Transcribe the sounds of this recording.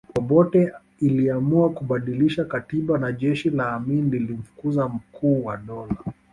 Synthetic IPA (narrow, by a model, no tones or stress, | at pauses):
pɔpɔtɛ | iliamuakuɓaɗiliʃakatiɓanaʄɛʃilaːminlilim̩fu̥kuzam̩kʰuːwaɗɔla